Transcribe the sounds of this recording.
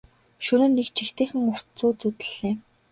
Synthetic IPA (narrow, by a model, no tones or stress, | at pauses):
ʃɵnɘ̆nːekt͡ɕʰixt̪eːxɘ̆ŋʊr̥t͡suːt͡sut̪ɘ̆ɮ̥ːeː